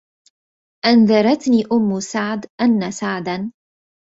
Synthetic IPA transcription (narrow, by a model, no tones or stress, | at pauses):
ʔanðɑɾˤɑt̪niːʔʊmːʊsaʕd̪ʔanːasaʕd̪an